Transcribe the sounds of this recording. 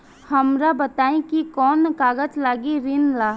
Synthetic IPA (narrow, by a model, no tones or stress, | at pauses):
hɐmɾabət̪aːẽkikɔːnkaːɡəd͡ʒlaːɡiɾinlaː